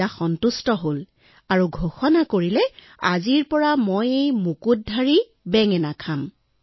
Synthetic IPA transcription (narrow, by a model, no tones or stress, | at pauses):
axɔntustɔɦol | aɹuɡʱoxɔnakoɹilɛ | aziɹpɔɹamojejmukut̚dʱːaɹi | bɛŋɛnakʰam